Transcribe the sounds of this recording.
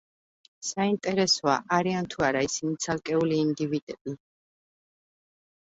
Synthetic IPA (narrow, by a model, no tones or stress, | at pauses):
saint̪ʼɛɾɛsɔa̰ʔaɾiant̪ʰuaɾaisinit̪sʰalˠkʼɛuliːnd̪ivid̪ʼɛbʼi